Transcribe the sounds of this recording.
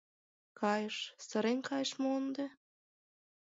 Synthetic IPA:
kɑjəʃsə̆ɾenkʰɑjəʃmoənd̪e

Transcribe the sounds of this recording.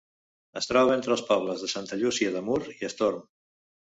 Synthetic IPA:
əst̪ɾɔβəent̪ɾəlˠspɔβ̞ləzðəsant̪əʎusiəðəmuɾiəst̪oɾm

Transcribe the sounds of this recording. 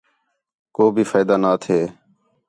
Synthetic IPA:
koːbʱiːfaːɪd̪aːnaːt̪ʰeː

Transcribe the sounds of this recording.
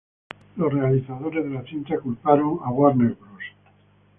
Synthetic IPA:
losrealiθaðo̞ɾezðelaθint̪akulpaɾoŋaɣwaɾneɾβɾus

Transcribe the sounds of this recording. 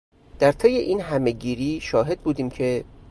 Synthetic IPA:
d̪̥æɾt̪ʰe̞jːeʔiːnɦæme̞ɟiːɾiːʃɒːɦe̞d̪̚buːd̪iːmcʰe̞

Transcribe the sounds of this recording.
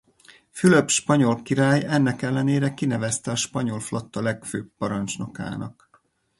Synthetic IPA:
fylø̞bʃpɒɲo̞lkiɾaːjɛnːɛkɛlːɛneːɾɛkinɛvɛst̪ɛɒʃpɒɲo̞lflɒt̪ːɒlɛkføːbːɒɾɒnt͡ʃno̞ka̰ːnɒk

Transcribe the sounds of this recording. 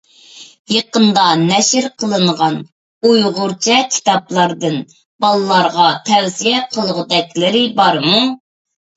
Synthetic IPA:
jeqənd̪ɑnɛʃɪɾqʰəlˠɨɴʁɑn | ujʁʊɾt͡ʃʰɛkʲʰi̥t̪ɑplˠɑɾd̪ɨn | b̥ɑlˠɨlˠɑɾʁɑt̪ʰɛwzijɛqʰəlˠʁʊd̪ɛkʲlɪɾɪbɑɾmu

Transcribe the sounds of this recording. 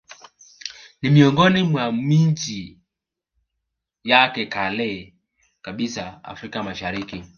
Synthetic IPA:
nimiɔŋɡɔnimwamiɲt͡ʃi | jakɛkalɛ | kaɓisaa̰fɾikamaʃaɾiki

